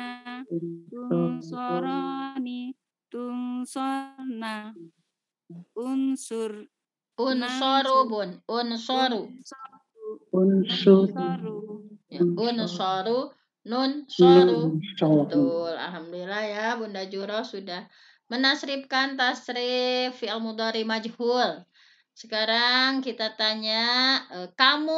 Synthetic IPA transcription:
ni | t̪unsɔna | unsur | unsɔɾupʊnunsɔɾu | unsu | aunsɔɾu | nunsɔut̪ula̰lɦamdulilahjabundad͡ʒuɾɔhsudah | mənasɾip̚kant̪asɾɪfialmud̪ɔɾimad͡ʒhul | sə̥kaɾaŋkit̪at̪aɲaəkamu

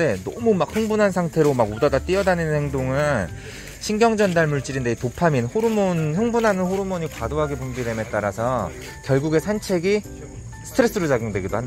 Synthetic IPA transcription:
e̞nʌmumakɸɯŋbunansʰaŋtʰe̞ɾomaɡudʌdat͈iʌdaninɯnhe̞ŋdoŋɯn | ɕʰiŋɡjʌŋd͡ʑʌndaɭmuɭt͡ɕ͈iɾinde̞itopʰaminɸoɾumonɸɯŋbunɦanɯnɸoɾumʌɲikwadoɦaɡe̞pumbiɾeme̞t͈aɾasʰʌ | kjʌɭɡuɡe̞sʰant͡ɕʰe̞ɡi | sʰɯ̥tʰɯɾe̞s͈ɯɾod͡ʑaɡjoŋdwe̞ɡidohand

